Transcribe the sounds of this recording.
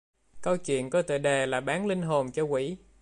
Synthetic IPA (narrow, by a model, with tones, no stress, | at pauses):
kə˧wt͡ɕwḭ˧˨ənkɔ˨˦t̪ɨ̰˧˨ɗe˨˩laː˨˩ɓaː˨˦nlï˧ŋ̟ɦo˨˩nt͡ɕɔ˧kwḭ˧˥